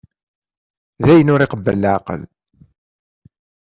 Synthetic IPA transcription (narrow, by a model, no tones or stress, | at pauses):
ðæjənʊɾɪqəbːə̰lːʕaqə̰l